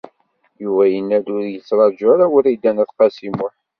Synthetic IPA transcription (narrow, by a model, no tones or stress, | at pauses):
juvæjənːæd̪ʊɾjət͡sːɾˤɑd͡ʒaɾawəɾid̪ænæθqɑsimʊħ